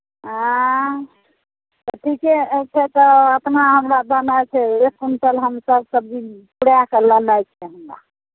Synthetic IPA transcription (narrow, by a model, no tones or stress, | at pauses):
ɦã | t̪ɔʈʰikɛt͡ʃʰɛt̪ɔət̪naɦəmɾabənajt͡ʃʰɛekunsəlɦəmsəbsəb̚ipuɽjakelənajt͡ʃʰɛɦəmɾa̰